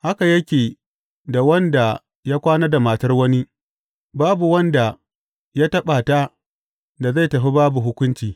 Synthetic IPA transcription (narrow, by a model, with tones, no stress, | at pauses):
ha˦ka˨jɐ˦kʲeː˨ | da˨wɐ˦nda˨ | jaː˦kʷaː˦nɐ˦da˨maː˨tɐ˦rwɐ˦ni˦ | baː˦bu˨wɐ˦nda˨ | ja˦tɐ˦ɓa˨ta˦ | da˨za˦˨jtɐ˨ɸi˦baː˦bu˨ɦʊ˦kʷʊ˦nt͡ʃiː˨